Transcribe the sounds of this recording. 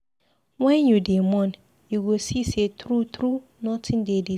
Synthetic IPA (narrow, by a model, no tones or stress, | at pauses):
wɛ̃njudimɔ̃n | juɡosisetʰɾut̪ʰɾunɔ̃tʰɪ̃ndedi